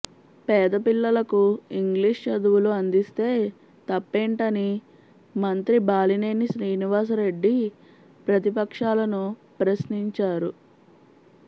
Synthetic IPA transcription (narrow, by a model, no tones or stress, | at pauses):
pɛːd̪ɐpilːɐlɐkuiŋɡliʂt͡ʃɐd̪uwuluɐnd̪ist̪e̞ː | t̪ɐpːɛːɳʈɐni | mɐnt̪ɾibaːlineːnisɾiːniʋaːs̬ɐɾe̞ɖːi | pɾɐt̪ipɐkʂaːlɐnupɾɐsniɲt͡ʃaːɾu